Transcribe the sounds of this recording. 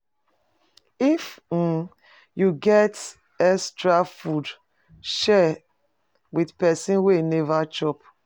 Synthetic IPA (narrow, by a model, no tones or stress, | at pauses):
if̩ | juɡɛt | ɛstɹafud | ʃɛ | widpɛsĩnwenɛvat͡ʃɔp